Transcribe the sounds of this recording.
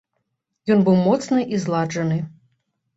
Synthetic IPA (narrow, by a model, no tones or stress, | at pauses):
jɔnbɨwmɔt̪snɨʔizlˠad͡ʐɐnɨ